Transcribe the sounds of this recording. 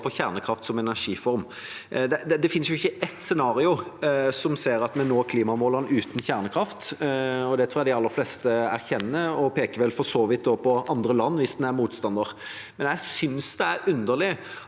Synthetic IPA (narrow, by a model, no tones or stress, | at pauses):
pʰɔçæːʁnəkʰɾɑft̪sɔmɛnæʁʂiːfɔɾm | d̪ɛd̪ɛd̪ɛfɪnsjʊɪçːəʔɛt̪sɛnɑːɾɪʊsɔmseːɾɑt̪mɛnoːkʰliːmɑmoːlənʉːt̪n̩çæʁnəkʰɾɑft̪ɔd̪ɛt̪ʰɾuːɾjæd̪ɪɑlːəɾflɛst̪əæ̰ɾçɛnːəɔpʰeːkəʋɛlfɔsoːʋɪt̪̚d̪oːpʰɔɑnd̪ɾəlɑnːʋɪsd̪ɛnæɾmuːt̪st̪ɑnd̪əɾ | mɛnjæɪsʏnsd̪ɛæɾʉnd̪əʁlɪ